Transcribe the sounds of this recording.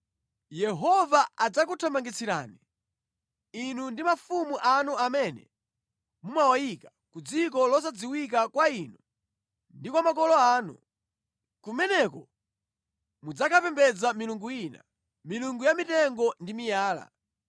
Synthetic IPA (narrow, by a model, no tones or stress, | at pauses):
jɛɦɔvaad͡zak̬utʰamaŋɡit͡sʰiɾa̰ːni | inundimafumuʔanuamɛnɛ̰ | mumawajika | kud͡zik̬ɔlɔs̬ad͡ziwik̬akwainu | ndikwamakɔlɔaːnṵ | kumɛnɛkɔ | mud͡zakʰapɛmbɛd͡zamiluŋɡujina̰ | miluŋɡujamitɛŋɡɔndimijaːla̰